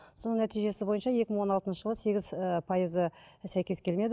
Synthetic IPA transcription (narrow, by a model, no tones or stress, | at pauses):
so̞nəɴnæt̪ijʒe̞sɪbo̞jənʃɑje̞kʲɪməɴwo̞nɑlˠt̪ənʃəʒəlˠəse̞ɡʲɪzəpʰɑjəzəsæjkʲe̞skʲʰe̞lme̞d̪